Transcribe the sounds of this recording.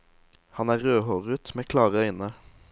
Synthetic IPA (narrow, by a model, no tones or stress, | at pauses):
hɑnæːʁøːhoːʁət̪meːkʰlɑːʁəœʏnə